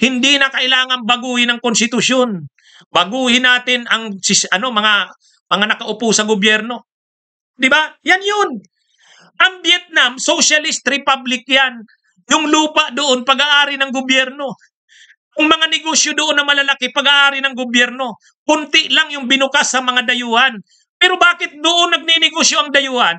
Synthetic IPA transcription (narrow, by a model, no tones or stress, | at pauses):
hɪnd̪inɐkɐʔɪlaːŋɐnbɐɡuːhɪnɐŋkonst̪ɪt̪ʊson | bɐɡuːhɪnaːt̪ɪnɐŋsɪɐno̞mɐŋa | mɐŋanɐkɐʔʊpusɐɡʊbjɛɾno̞ | d̪ɪbajanjon | ʔɐŋbjɛt̪̚namsosalɪst̪ɾɪpablɪk̚jan | jʊŋluːpaʔd̪oʔonpɐɡaʔaːɾɪnɐŋɡʊbjɛɾno̞ | jʊŋmɐŋanɪɡosjod̪oʔonːɐmɐlɐlakɪpɐɡaʔaːɾɪnɐŋɡʊbjɛɾno̞ | kʊnt̪ɪʔlaŋjʊŋbɪnʊkasːɐmɐŋad̪ɐjuːhan | pɛːɾo̞baːkɪt̪̚d̪ʊʔonːɐɡ̚ninɪɡosjo̞ʔɐŋd̪ɐjuːhan